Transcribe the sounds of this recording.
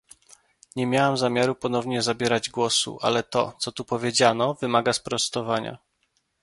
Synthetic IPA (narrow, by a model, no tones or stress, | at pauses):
ɲɛmʲjawamzamʲjaɾupɔn̪ɔvɲɛzabʲjɛɾad͡ʑɡwɔsṵʔa̰lɛt̪ɔ̰t̪sɔt̪upɔvʲjed͡ʑanɔvɘmaɡaspɾɔst̪ɔvaɲa̰